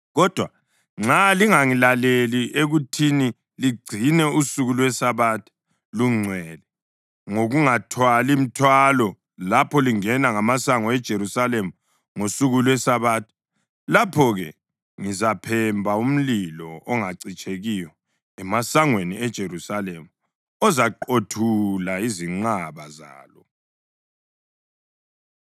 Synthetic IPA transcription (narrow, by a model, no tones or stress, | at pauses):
ɣɔd̥ʱwa | ŋ͡ǁaliŋaŋilaleliʔeɣutʰini | liɡ͡ǀʱinɛusuɣulwɛsaβatʰi̥ | luŋ͡ǀʱwɛlɛ | ŋoɣuŋatʰwalim̩tʰwalɔ | lapʰɔliŋɛnaŋamasaŋɔɛd̥ʒ̥ʱeɾusalemu | ŋosuɣulwɛsaβaːtʰu̥ | lapʰɔɣɛ | ŋizapʰɛmbʱaum̩lilɔɔŋaǀit͡ʃʼeɣijɔ | ɛmasaŋweniɛd̥ʒ̥ʱerusalemu | ɔzaǃotʰulaiziŋ͡ǀaβaza̰ːlɔ